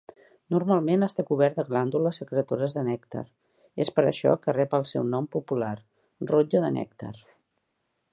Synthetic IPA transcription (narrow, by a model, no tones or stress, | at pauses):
nurmalˠmenəst̪akuβ̞ɛɾt̪əɣland̪uləsəkɾeət̪oɾəzðənɛkt̪a̰ɾ | espəɾə̰ʃɔ̰kərɛpəlˠsɛ̰wnɔmpupular | rod͡ʒəðənɛ̰kt̪a̰ɾ